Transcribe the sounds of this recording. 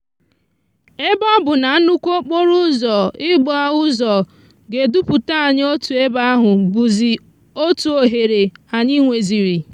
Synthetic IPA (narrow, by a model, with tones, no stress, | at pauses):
e˦bɔ˦bʊ˨na˨˦nu˦kʷo˦k͡po˦ɾu˦zɔ˨ɪ˦ɡ͡bɔ˨a˦ʊ˦zɔ˨ | ɡe˨du˦pʊ˨ta˦˨ɲ˦o˦tu˨e˦ba˦a˦ɦʊ˨bu˨zi˨ | o˦tu˨o˨ɦe˨ɾe˨a˨ɲɪ˦ŋʷe˨zi˨ɾi˨